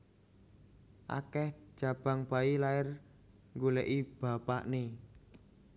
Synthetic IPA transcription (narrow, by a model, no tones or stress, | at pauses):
ʔa̰kɛhʒ̥a̤b̥a̤ŋb̥a̤ilaɪr | ŋɡulɛʔib̥a̤pa̰ʔne